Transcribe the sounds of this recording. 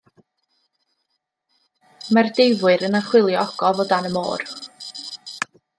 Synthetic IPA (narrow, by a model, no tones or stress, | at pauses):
mardejvʊɨɾənaχwɪlˠjɔɔɡ̥ɔvɔdanəmo̰ːr